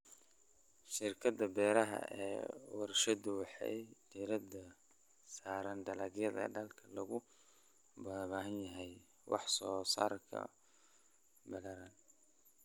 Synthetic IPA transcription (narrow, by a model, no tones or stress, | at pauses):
ʃɪrkʰɐd̪ɐbɛːɾɐɦɐ̰ʔɛ̰ːwɑɾʃɐd̪ʊwɑħɑ̰jd̪iɾɐd̪ɐ | saːɾɐnd̪ɐlɐɣjɐðɐ̰ɖɐlkʰɐlɐɣʊ | bɐðβaːɦɐnjɐɦɛj | wɑ̰ħsɔːsa̰ːrkʰɐ̰ | bɐlɐɾaːn